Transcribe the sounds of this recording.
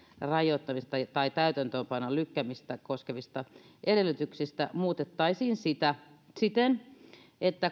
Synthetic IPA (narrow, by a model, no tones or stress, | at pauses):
rɑjot̪ːɑmist̪ɑt̪ɑit̪æyt̪ænt̪øːmpɑnːɑlykːæmist̪ækoskeʋist̪ɑ | ʔeɾelːyt̪yksist̪æmuːt̪et̪ːɑisiːnsit̪æ | sit̪en | et̪ːæ